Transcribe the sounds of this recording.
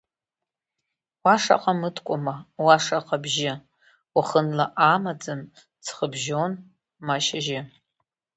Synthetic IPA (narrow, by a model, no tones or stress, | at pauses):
waʂa̰qʼamɨtʰkʷʼʊmawaʂaqʼabʒɪ | waχənlaʔamad͡zɨn | t͡sʰχəbʒon | maʃaʒɪ